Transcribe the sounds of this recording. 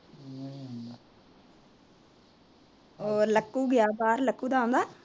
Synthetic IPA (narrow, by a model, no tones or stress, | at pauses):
õnd̪a | oːləkːuːɡɪjaːbaːɾləkːuːd̪aːõːnd̪aː